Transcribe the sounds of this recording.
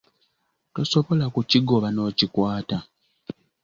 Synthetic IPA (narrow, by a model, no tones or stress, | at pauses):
to̞so̞βo̞lakuciɡo̞βano̞ːcikwaːta